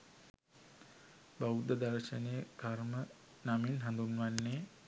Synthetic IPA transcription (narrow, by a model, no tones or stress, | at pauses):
baud̪əd̪aɾʃənejəkarmə | naminɦand̪unʋanːe